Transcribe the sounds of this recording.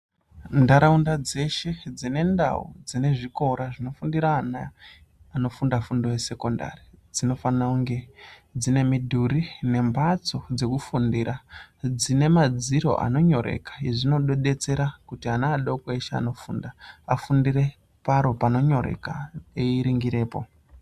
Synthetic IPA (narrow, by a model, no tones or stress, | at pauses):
ndaɾaundad͡ze̞ʃe̞d͡zine̞nda̰ṵd͡zine̞ʐiko̞ɾaʐino̞fundiɾaːnaano̞fundafundo̞we̞se̞ko̞nda̰rid͡zino̞fanauŋɡe̞d͡zine̞midʱuɾine̞mbat͡so̞d͡ze̞kufundiɾad͡zine̞mad͡ziɾo̞̰ʔa̰no̞ɲo̞ɾḛkḁiʐino̞ɗoɗe̞t͡se̞ɾakutianaːɗokweʃea̰no̞fuːndaafundiɾe̞ | paɾo̞pano̞ɲo̞ɾe̞̰kaeiɾiŋɡiɾe̞ːpo̞̰